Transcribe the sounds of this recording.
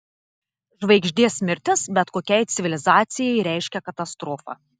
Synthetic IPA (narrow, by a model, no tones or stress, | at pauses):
ʒʋɐɪɡʒʲd̪ʲiɛsʲmʲɪɾʲt̪ʲɪsbʲɛt̪koːkʲɛɪt̪sʲɪʋʲɪlʲɪzɑːt̪sʲɪjɛɪɾʲɛˑɪʃʲkʲɛkɐt̪ɐst̪ɾoːfɐ̰ː